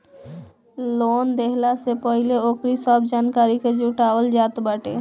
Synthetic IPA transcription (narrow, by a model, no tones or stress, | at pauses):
lond̪ekʰlasepɔjleokɾiʃɔbd͡ʑankaɾiked͡ʑuʈaold͡ʑat̪baʈe